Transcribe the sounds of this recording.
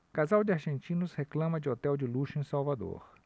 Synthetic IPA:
kazawd͡ʒɪaɾʒẽnt͡ʃĩnʊsheklɐ̃mɐd͡ʒɪot̪ɛwd͡ʒɪluʃʊẽsawvad̪o̰ɾ

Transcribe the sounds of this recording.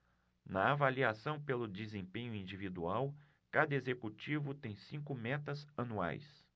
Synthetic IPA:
nɐavaliasɐ̃w̃pelʊd͡ʒezẽpẽɲʊĩnd͡ʒivid̪uaw | kad̪ɐezekut͡ʃivʊt̪ẽj̃sĩŋkʊmɛt̪ɐzɐnua̰js

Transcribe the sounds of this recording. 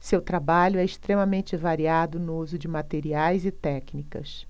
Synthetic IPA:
sewt̪ɾabaʎʊɛɪst̪ɾẽmɐmẽnt͡ʃɪvaɾiad̪ʊnʊuzʊd͡ʒɪmat̪eɾiajzɪt̪ɛknikɐ̰s

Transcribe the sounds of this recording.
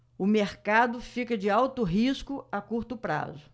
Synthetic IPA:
ʊmeɾkad̪ʊfikɐd͡ʒɪawt̪ʊɦiskʊakuɾt̪ʊpɾa̰zʊ

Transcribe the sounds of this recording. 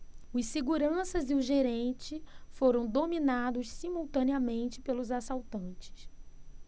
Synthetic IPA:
ʊsiɡuɾɐ̃sɐzɪʊʒeɾẽnt͡ʃɪfoɾɐ̃w̃d̪ominad̪ʊssimuwt̪ɐ̃niɐmẽnt͡ʃɪ̥pelʊzasawt̪ɐ̃nt͡ʃɪ̥s

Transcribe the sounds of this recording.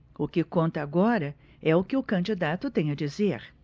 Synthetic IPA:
ʊkɪkõnt̪ɐːɡɔɾɐ | ɛʊkɪʊkɐ̃nd͡ʒid̪at̪ʊt̪ẽj̃ɐd͡ʒizeɾ

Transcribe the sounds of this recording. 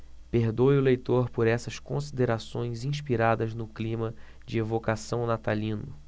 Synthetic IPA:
peɾd̪ojʊlejt̪oɾpoɾɛsɐskõsid̪eɾasõj̃zĩʃpiɾad̪ɐznʊklĩmɐ | d͡ʒɪevokasɐ̃w̃nat̪alĩnʊ

